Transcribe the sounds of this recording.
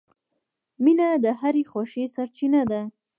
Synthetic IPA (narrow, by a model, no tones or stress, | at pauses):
minad̪əɦaɾexoʃesaɾt͡ʃinad̪a